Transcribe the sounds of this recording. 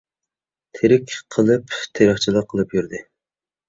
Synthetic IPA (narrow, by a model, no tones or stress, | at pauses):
t̪ʰeɾɪkʲqʰəlˠɨpt̪ʰeɾəχt͡ʃʰilˠəqʰːəlˠɨpjyɾd̪ɨ